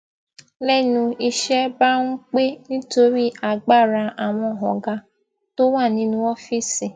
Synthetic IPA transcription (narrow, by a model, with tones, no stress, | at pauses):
lɛ˦˨nũ˧i˦˧ʃɛ˦ba˦ŋũ˦k͡pe˦nĩ˦to˦ɾi˦a˨ɡ͡ba˦˨ɾa˧a˨w̃ɔ̃˧˨ɦɔ˨ɡa˧ | to˦wa˦˨nĩ˨˦nũ˦ɔ˦fi˦si˨